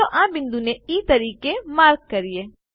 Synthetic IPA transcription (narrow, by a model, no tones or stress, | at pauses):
oʔãːbɪ̃nd̪uneiːt̪əɾiːkemaːɾk̚ːəɾieː